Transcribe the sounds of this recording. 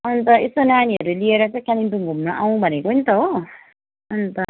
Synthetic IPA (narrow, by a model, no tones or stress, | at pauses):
ʌnt̪ʌesonaniɦʌɾulieɾʌt͡sʌ̃j̃kaninbuŋɡʱumnʌʔaw̃bʱʌnekounit̪ʌɦo | ʌnt̪ʌ